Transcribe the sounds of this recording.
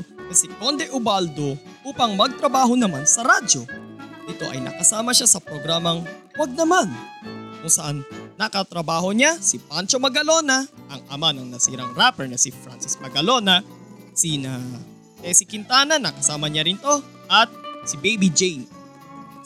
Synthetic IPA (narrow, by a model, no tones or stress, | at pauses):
nɐsɪkond̪ɛʔʊbald̪oʔuːpɐŋmɐɡ̚t̪ɾɐbaːɦo̞nɐmansɐɾad͡ʒo̞ʔɪt̪o̞̰ʔɐ̰jnɐ̰kɐsaːmɐʃasɐpɾoɡɾamɐŋwɐɡ̚nɐmankʊŋsɐʔanːɐkɐt̪ɾɐbaːho̞ɲasipant͡ʃo̞mɐɡɐlo̞nɐʔɐŋʔɐmanɐŋnɐsḭːɾɐŋɾapɛɹnɐsifɾansɪsmɐɡɐlo̞nɐ | sinɐ | t̪ɛsikɪnt̪aːnɐnɐkɐsaːmɐɲaɾɪnt̪o̞ | ʔɐt̪̚sɪbejbid͡ʒejn